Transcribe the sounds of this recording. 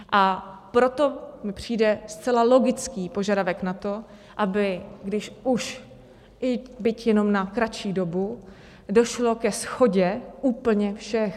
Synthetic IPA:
ʔapɾo̞t̪o̞mɪpr̝̥iːdɛst͡sɛlalo̞ɡɪt͡skiːpo̞ʒadavɛknat̪o̞ | ʔabɪɡdɪʃuʃ | ʔɪbɪcjɛno̞mnakɾat͡ʃiːdo̞bu | do̞ʃlo̞kɛsxo̞ɟɛʔuːpl̩ɲɛfʃɛx

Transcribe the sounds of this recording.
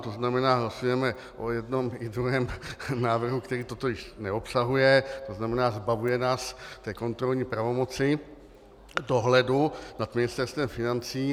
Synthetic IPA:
t̪o̞znamɛnaːɦlasujɛmɛ | ʔojɛdno̞mɪd̪ɾuɦɛːmnaːvr̩ɦukt̪ɛɾiːt̪o̞t̪o̞jɪʃnɛo̞psaɦujɛt̪o̞znamɛnaːzbavujɛnaːst̪ɛːko̞nt̪ɾo̞lɲiːpɾavo̞mo̞t͡sɪ | do̞ɦlɛdunat̪mɪnɪst̪ɛɾst̪vɛmfɪnant͡siː

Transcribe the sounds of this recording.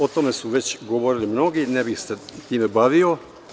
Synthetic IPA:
o̞t̪o̞me̞suʋe̞t͡ɕɡo̞ʋo̞ɾilimno̞ɡinebixset̪iːme̞baʋio̞

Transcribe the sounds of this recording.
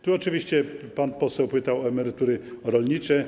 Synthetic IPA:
t̪uɔt͡ʂɨvʲiɕt͡ɕɛpanpɔsɛwpɘt̪awɔɛmɛɾɪt̪uɾɘɾɔlɲit͡ʂɛ

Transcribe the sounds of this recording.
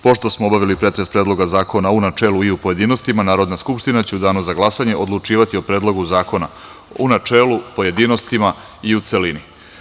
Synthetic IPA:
po̞ʃt̪o̞smoobaʋilipɾe̞t̪ɾe̞spɾeːd̪lˠo̞ɡazaːko̞naunat͡ʃe̞ːluiupo̞je̞d̪iːno̞st̪imanaːɾo̞d̪naskupʃt̪inat͡ɕe̞ud̪aːnuzaɡlˠasaɲe̞ʔo̞d̪lˠut͡ʃiːʋat̪io̞pɾeːd̪lˠo̞ɡuzaːko̞na̰ | unat͡ʃe̞ːlupo̞je̞d̪ino̞st̪ima | iut̪se̞lini

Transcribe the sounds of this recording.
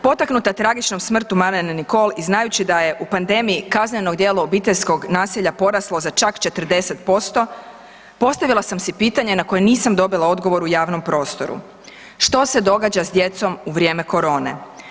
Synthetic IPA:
po̞t̪aknut̪at̪ɾaɡit͡ʃno̞msmr̩t̪umaɾeneniko̞lˠiznajut͡ɕid̪aje̞ʔupand̪e̞miikazɲeno̞ɡd̪jeːlaobiːt̪eʎʲsko̞ɡnaːsiʎapo̞ɾaslˠozat͡ʃakt͡ʃe̞t̪r̩d̪e̞se̞t̪po̞st̪o̞ | po̞st̪aʋilˠasamsɛpiːt̪aɲe̞nako̞jeniːsamd̪o̞bilˠao̞d̪ɡo̞ʋo̞ɾujaːʋno̞mpɾo̞ːst̪o̞ɾṵ | ʃt̪o̞se̞d̪o̞ɡaːd͡ʑazd̪je̞t̪so̞muʋɾʲje̞ːme̞ko̞ɾo̞ːnḛ

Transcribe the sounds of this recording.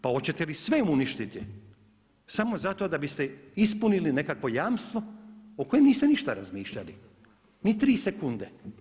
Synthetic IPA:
pao̞t͡ɕe̞t̪elisʋe̞muniʃt̪it̪i | samo̞zat̪od̪abist̪e̞is̬puniline̞kakʋo̞jaːmst̪ʋo̞oko̞jemniːst̪eniʃt̪aɾazmiːʃʎa̰lḭ | nit̪ɾiːsekund̪e

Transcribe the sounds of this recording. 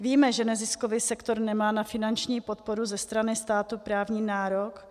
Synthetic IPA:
viːmɛʒɛnɛzɪskoviːsɛkt̪o̞ɾnɛmaːnafɪnant͡ʃɲiːpot̪̚po̞ɾuzɛst̪ɾanɪst̪aːt̪upɾaːvɲiːnaːɾok

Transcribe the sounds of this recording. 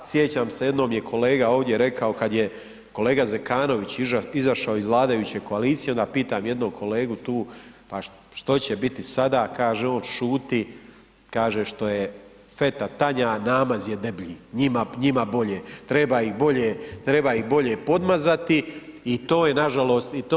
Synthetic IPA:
sje̞t͡ɕamseje̞d̪no̞ːmjekʰo̞le̞ːɡao̞ːʋd̪je̞ɾe̞kao̞kad̪je | ko̞le̞ːɡazekaːno̞ʋit͡ɕizaʃaoizʋlˠaːd̪ajuːt͡ɕeko̞aliːt̪sijeo̞nd̪aːpiːt̪aːmje̞d̪nokʰo̞le̞ːɡut̪uːpa | ʃt̪o̞t͡ɕebit̪isad̪aːkaːʒeːo̞nʃuːt̪i | kaːʒeːʃt̪o̞je | fe̞t̪at̪aɲanaːmazjed̪e̞bʎiːɲimaɲimabo̞ʎeːt̪ɾe̞baːixbo̞ʎet̪ɾe̞baːixbo̞ʎe̞po̞d̪mazat̪iit̪o̞ːjenaʒalo̞ːst̪it̪ː

